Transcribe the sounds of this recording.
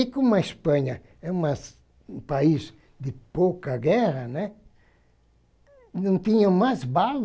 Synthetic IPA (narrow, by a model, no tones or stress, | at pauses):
ikomɐespɐ̃ɲɐ | ɛũmɐs | paiz | d̪ɪpokɐɡɛɾɐnɛ | nɐ̃w̃t̪ĩɲɐ̃mazbal